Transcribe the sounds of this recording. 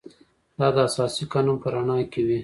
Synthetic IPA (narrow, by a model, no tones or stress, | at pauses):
d̪ɑd̪əasɑsiqɑnumpəɾaɳɑkewi